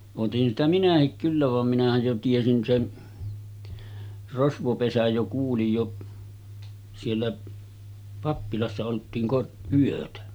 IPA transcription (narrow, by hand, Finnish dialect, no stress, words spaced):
otin sitæ minæhik kylːæ ʋɑm minæhæj jo tiesin sen rosʋopesæj jo kuːlij jo sielːæ pɑpːilɑsːɑ oltiːn kor yøtæ